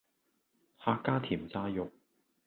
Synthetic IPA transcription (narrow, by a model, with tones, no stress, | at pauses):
haː˧kːaː˥t̪ʰiː˨˩mt͡saː˧jʊ˨k̚